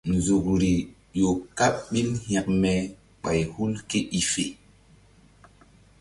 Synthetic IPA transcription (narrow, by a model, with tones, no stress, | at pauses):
nzu˨kɾi˨ | jo˨ka˦ɓɓi˦lhɛ˨k̚mɛ˨ | ɓa˨jhu˦lke˦ʔi˨fe˨